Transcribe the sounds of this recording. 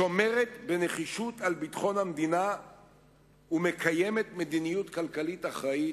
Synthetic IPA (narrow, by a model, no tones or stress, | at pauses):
ʃo̞me̞ʁet̪be̞ne̞χiʃut̪albit̪χo̞nhamd̪ina | ume̞kaje̞me̞t̪med̪inijut̪kalkalitaχʁai